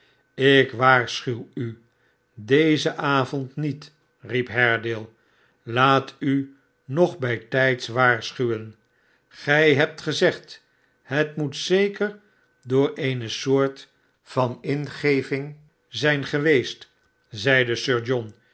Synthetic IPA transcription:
ɪkʋaːɹsχywy | dejzəʔaːvɔntnit | ripɦɛɹdɪlˠ | laːty | nɔχbɛjtɛjtsʋaːɹsχywən | χɛjɦɛp̚tχəzɛχt | ɦətmutsejkəɹ | dʊːɹejnəsʊːɹt | fɑnɪnχejvɪŋ | zɛjnχəʋejst | zɛjdəsøːɹd͡ʒɔn

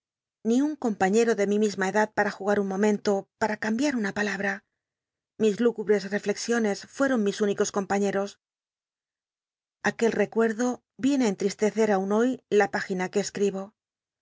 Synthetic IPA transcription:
niuŋko̞mpaɲe̞ɾo̞ðe̞mimizmaeðað̚paɾaxuɣaɾuŋmõ̞mẽ̞nt̪o̞paɾakambjaɾunapalaβ̞ɾa | mizluɣuβɾe̞sre̞fle̞ksjo̞ne̞sfwe̞ɾo̞ŋmisuniko̞sko̞mpaɲe̞ɾo̞s | ake̞lre̞kwe̞ɾðo̞ | bje̞neaent̪ɾist̪e̞θe̞ɾauno̞jlapaxinake̞ːskɾiβo̞

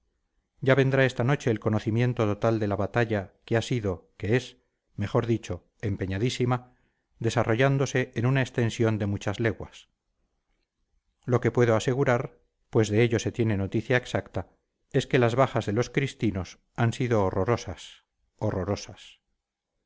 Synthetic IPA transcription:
ɟ͡ʝaβe̞nd̪ɾae̞st̪ano̞t͡ʃe̞ːlko̞noθimjẽ̞nt̪o̞t̪o̞t̪ald̪e̞laβat̪aʎakeasiðo̞ke̞es | me̞χo̞ɾðit͡ʃo̞ | e̞mpe̞ɲaðisima | d̪e̞saro̞ʝand̪o̞se̞enunaest̪e̞nsjo̞nd̪e̞mut͡ʃazle̞ɣwas | lo̞ke̞pwe̞ðo̞ase̞ɣuɾaɾ | pwe̞zðe̞eʎo̞se̞t̪je̞ne̞no̞t̪iθjaeksakt̪a | e̞ske̞lazβaχazðe̞lo̞skɾist̪ino̞s | ansiðo̞ːroɾosas | oro̞ɾo̞sas

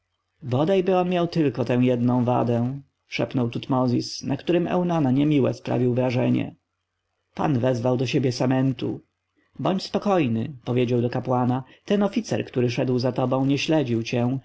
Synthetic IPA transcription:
bɔd̪ajbɘɔnmʲjawt̪ɘlkɔt̪ɛ̃w̃jɛd̪nɔ̃w̃va̰d̪ɛ̃ | ʂɛ̰pnɔwt̪ut̪mɔzʲisnakt̪uɾɘmɛ̰wnanaɲɛmʲiwɛ̰spɾa̰vʲiwvɾaʐɛɲɛ̰ | pa̰nvɛzvawd̪ɔɕebʲjɛsamɛnt̪ṵ | bɔɲt͡ɕspɔkɔjnɘpɔvʲjed͡ʑawd̪ɔkapwanat̪ɛnɔfʲit̪sɛ̰ɾkt̪uɾɘʂɛd̪wzat̪ɔbɔ̃w̃ɲɛɕlɛd͡ʑiwt͡ɕɛ

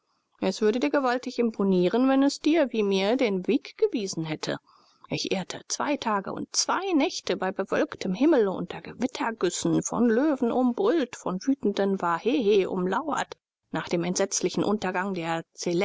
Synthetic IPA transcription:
ʔɛsv̥ʏɐɾədiːɐɡəvaltɪçɪmpʰoniːʁənvɛnɛsd̥iːɐviːmiːɐdeːnveːkɡ̥əviːzn̩ɦɛtʰə̰ | ʔɪçʔeːɐtʰə̰t͡sv̥a̰ɪtʰaːɡə̰ʔʊ̰nt̚t͡sv̥aɪnɛçtəbaɪbəvœlktʰəmhɪml̩ʊ̰ntʰɐɡəvɪtʰɐɡʏsn̩fɔ̰nløːvn̩ʔʊmbʁʏltfɔnvyːtn̩dənvaːheːheːʔʊ̰mlaʊɐ̰t | naːχd̥eːmɛntz̥ɛt͡slɪçn̩ʔʊntɐɡaŋdeːɐt͡selɛ

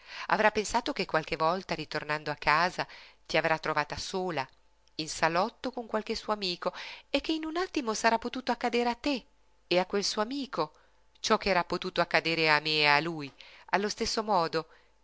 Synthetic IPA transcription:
a̰vɾapːensaːt̪okekːwalk̟evɔlt̪aɾit̪ornand̪oakːaːzat̪iavɾat̪ːɾovaːt̪asoːla | insalɔt̪ːokoŋkwalkesːuoamiːkoek̟ːeinunat̪ːimosaɾapːot̪uːt̪oakːad̪eːɾeat̪ːe | eakːwelsuoamiːko | t͡ʃɔkːeɛːɾapːot̪uːt̪oakːad̪eːɾeamealujalːost̪esːomɔːd̪o

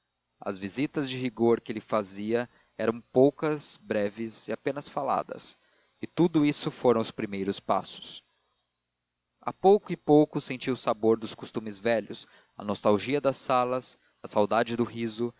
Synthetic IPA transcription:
ɐ̰zvizit̪ɐzd͡ʒɪɦiɡoɾkɪlɪfaziɐ | ɛɾɐ̃w̃powkɐsbɾɛvɪzɪapẽnɐsfala̰d̪ɐ̰s | ɪt̪ud̪ʊisʊfoɾɐ̃w̃ʊspɾimejɾʊspa̰sʊ̥s | a̰powkʊɪpowkʊsẽt͡ʃiwʊsaboɾd̪ʊskost̪ũmɪzvɛʎʊs | ɐ̰nost̪awʒiɐd̪ɐsalɐs | ɐsawd̪ad͡ʒɪd̪ʊɦizʊ

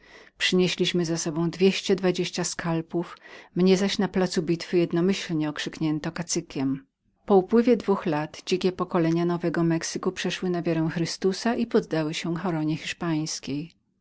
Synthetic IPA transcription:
pʂɘɲeɕlʲiɕmɘzasɔbɔ̃w̃d̪vʲjeɕt͡ɕɛd̪vad͡ʑeɕt͡ɕaskʰalpufmɲɛzaɕnaplat̪subʲit̪fɘjɛd̪nɔmɘɕlɲɛɔkʂɘkɲɛnt̪ɔkat̪sɘkʲɛm | pɔupwɘvʲjɛd̪vuxlat̪d͡ʑikʲɛpɔkɔlɛɲanɔvɛɡɔmɛksɘkupʂɛʂwɘnavʲjaɾɛw̃xɾɘst̪usaʔipɔd̪ːawɘɕɛxɔɾɔɲɛxʲiʂpaj̃skʲej

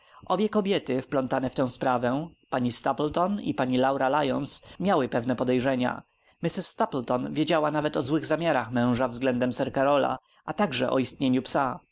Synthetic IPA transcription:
ʔɔbʲjɛkɔbʲjɛt̪ɘfplɔnt̪anɛft̪ɛ̃w̃spɾavɛpaɲist̪aplt̪ɔnḭpaɲilawɾalajɔ̃nsmʲjawɘpɛvnɛpɔd̪ɛjʐɛɲa̰ | mɘsɘsːt̪aplt̪ɔnvʲjed͡ʑawanavɛt̪ɔzwɘɣzamʲjaɾaxmɛ̃w̃ʐavzɡlɛnd̪ɛmsɛɾkaɾɔla̰ | ʔat̪aɡʐɛʔɔ̰ist̪ɲeɲupsa

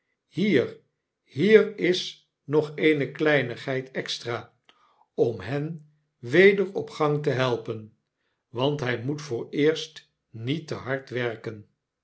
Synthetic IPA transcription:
hiːr | hiːrɪs | nɔχejnəklɛjnəχɦɛjtʰɛkstraː | ɔmɦɛn | ʋejdəɹɔpχɑŋtəɦɛlˠpən | ʋɑntɦɛjmutfʊːɹɪːɹst | nitəɦɑɹtʋɛɹkən

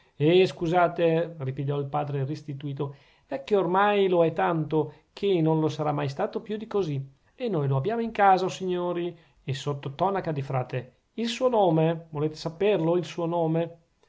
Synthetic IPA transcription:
eskuzaːt̪eripiʎːɔilpaːd̪ɾerest̪it̪uiːt̪o | ɛkːeormajloɛt̪ːant̪okʰenonlosaɾamːajs̬t̪aːt̪opjud̪ikozi | enːojloabjaːmoiŋkaːzaosiɲːoːɾi | esot̪ːot̪ɔnakad̪ifɾaːt̪e | ilsuːonoːmevoleːt̪e̥saperloilsuːonoːme

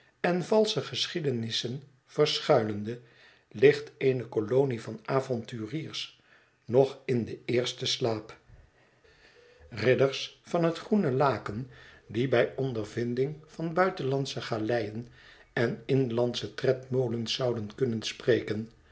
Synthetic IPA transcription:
ɛnvɑlˠsəχəsχidənɪsən | v̥əɹsχœɥləndə | lɪχtenəkolownivɑnaːvɔntyːriːɹs | nɔχɪndəɪːɹstəslaːp | rɪdəɹsfɑnɦətχrunəlaːkəndibɛjɔndəɹvɪndɪŋv̥ɑnbœɥtənlɑntsəχaːlɛjənɛnɪnlɑntsətrɛtmowlənz̥ɑwdənkɵnənsprejkən

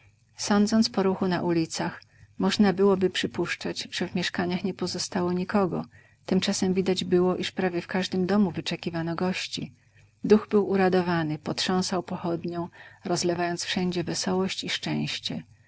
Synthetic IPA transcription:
sɔnd̪zɔnt̪spɔɾuxuna̰ʔulʲit̪sax | mɔʐnabɘwɔbɘpʂɘpuʂt͡ʂad͡ʑʐ̥ɛvmʲjɛʂkaɲaxɲɛpɔzɔst̪awɔɲikɔɡɔ̰ | t̪ɘmt͡ʂasɛmvʲid̪ad͡ʑbɘwɔʔiʂpɾavʲjɛfkaʐd̪ɘmd̪ɔmuvɘt͡ʂɛkʲivanɔɡɔɕt͡ɕḭ | d̪uɣbɘwuɾad̪ɔvanɘpɔtʂɔ̃w̃sawpɔxɔd̪ɲɔ̃w̃ɾɔzlɛvajɔnt̪sfʂɛɲd͡ʑɛvɛsɔwɔɕt͡ɕiʂt͡ʂɛ̃w̃ɕt͡ɕɛ

